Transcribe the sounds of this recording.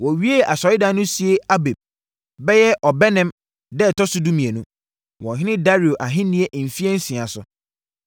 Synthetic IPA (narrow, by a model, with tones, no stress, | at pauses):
wɔ˨ɥi˦e˦a˨sɔ˨˦ɪ˦da˨˦nʊ̃˦si˨˦e˦a˦be˨b̚ | bɛ˦jɛ˦ʔɔ˨bɛ˦nɛ̃˦m | dɛ˦˨tʰɔ˦sʊ˦dũ˦mĩ˨e˨nũ˦ | wɔ̃˨ɦɪ̃˦nɪ̃˦da˦ɾi˨o˨ʔa˨ɦɪ̃˦nĩ˦ɛ˦ʔm̩˨fi˦ɛ˦n̩˦sĩ˨a˨sʊ̰˨